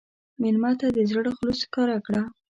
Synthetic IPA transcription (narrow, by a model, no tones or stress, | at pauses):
mɪlmɑt̪ad̪əzəɽoxloskɑɾakɽa